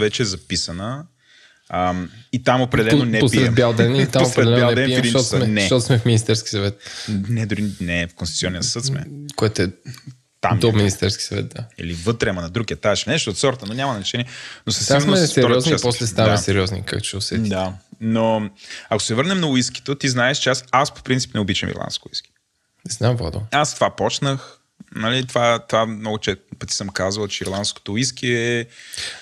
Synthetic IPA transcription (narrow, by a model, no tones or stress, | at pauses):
vɛt͡ʃɛɛzɐpisənə | əmit̪amopɾɛɛd̪ɛlɛnonɛpspiɛɛmbʲjalˠd̪ɛnit̪aomopɾɛd̪ɛlɛnbjalˠɛd̪ɛnɛɛd̪inɔt̪smɛnɛʃt̪ɔt̪smɛfminist̪ɛɾskʲi̥sɐvɛt̪̚nɛd̪ʊɾinɛfkonst̪u̥t̪iɔnːiəsɤt̪smɛ̰koɛt̪oɛ | t̪a̰md̪ominist̪ɛɾskʲi̥sɐvɛ̰t̪̚d̪aḭlivɤt̪ɾɛmɐnɐd̪ɾuɡiɐt̪aʃnɛʃt̪oːt̪sɔɾt̪ənonʲamɐnɐɛt͡ʃɛniɛnosɐsinfɛɾɔɾɔznit͡ʃaspɔslɛsaamɛsɛɾiɔznḭka̰kt͡ʃɛʊsɛd̪anoɐko̥sɛvɤɾnɛmnɐʊiski̥t̪ot̪iznaɛʃt͡ʃɛasaspo̥pɾint̪si̥pnɛʊbit͡ʃɛ̰mḭɾlˠa̰nskʊḭski̥ | nɛznamva̰d̪o̰ast̪ovapɔt͡ʃnəx | nɐlit̪ovat̪ovamnɔɡʊt͡ʃɛpət̪isəmkazvɐlˠt͡ʃɛiɾlˠant̪sko̥t̪oiskiɛ